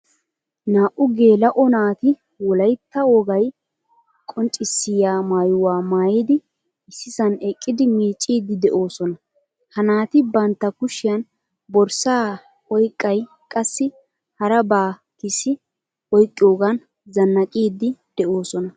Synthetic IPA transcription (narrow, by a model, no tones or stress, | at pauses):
naːʔʊɡe̞ːlɐʔɔnaːt̪ɪ | wɔlɐjt̪ːɐwɔɡɐj | kʼɔnt͡ʃʼɪsːɪjaːmaːjʊwaːmaːjiːd̪ɪ | ɪsːɪsɐnɛkʼːɪd̪ɪmiːt͡ʃʼːiːd̪ɪd̪ɛʔo̞ːsɔnɐ | hɐnaːt̪ɪbɐnt̪ːɐkʊʃɪjɐn | bɔɾsaː | ɔjkʼːɐj | kʼɐsːɪ | hɐɾɐbaː | kɪsɪ | ɔjkʼːɪjoːɡɐn | zɐnːɐkʼiːd̪ːɪd̪̥ɛʔoːsɔnɐ